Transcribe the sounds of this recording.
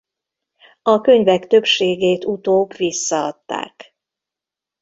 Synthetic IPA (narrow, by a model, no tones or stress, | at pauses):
ɒkøɲvɛkt̪ø̞pʃeːɡeːt̪ut̪oːkʋisːɒɒ̰t̪ːa̰ːk